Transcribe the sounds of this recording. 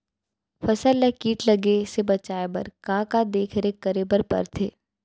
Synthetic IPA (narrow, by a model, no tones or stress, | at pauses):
fɐsəlːekiːʈlɐɡesebɐt͡ʃaːebɐ̰ɾkãːkad̪eːkʰɾekːəɾebəɾpɐ̰ɾt̪ʰḛː